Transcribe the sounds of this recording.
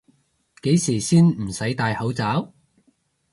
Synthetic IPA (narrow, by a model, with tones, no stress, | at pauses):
ke˨˥jsiː˨˩siː˥nm̩˨˩sɐ˨˥jt̪aː˧jhɐ˨˥wt͡saː˨˥w